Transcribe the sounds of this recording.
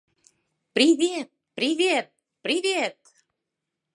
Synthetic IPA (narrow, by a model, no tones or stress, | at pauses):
pɾʲivʲet̪̚pɾʲivʲet̪̚ | pɾʲivʲet̪̚